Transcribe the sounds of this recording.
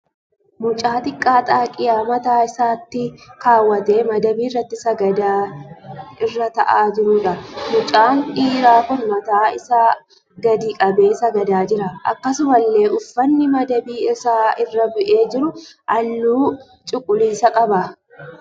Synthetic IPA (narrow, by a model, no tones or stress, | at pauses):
mʊt͡ʃʼaːt̪ɪkʼːaːt̪ʼaːkʼɪjaːmɐt̪aːɪsaːt̪ːɪkaːwːɐt̪e̞ːmɐd̪ɐbiːɪrːɐt̪ːɪsɐɡɐd̪aː | ɪrːɐt̪ɐ̰ʔaːd͡ʒɪɾʊᶑɐmʊt͡ʃʼaːnᶑiːɾaːkʊnmɐt̪aːɪ̰saː | ɡɐd̪iːkʼɐbe̞ːsɐɡɐd̪aːd͡ʒɪɾɐɐ̰kːɐsʊmɐlːe̞ːʔʊfːɐnːɪmɐd̪ɐbiːɪsaːɪrːɐbʊʔe̞ːd͡ʒɪɾʊʔɐlːuː | t͡ʃʼʊkʼːʊliːsɐkʼɐbɐ